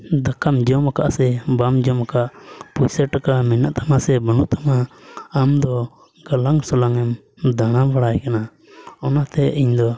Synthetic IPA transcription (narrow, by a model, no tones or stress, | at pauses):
d̪akʰamd͡ʒɔmakaʔsɛbamd͡ʒɔmakaʔpujsɛɾʈakamɛnaʔt̪ʰamasɛbənuʔt̪ʰamaːmd̪ɔ | ɡalaŋsɔlaŋɛm | d̪aɽ̃abaɽajkana | ɔnat̪ɛʔiɲd̪ɔ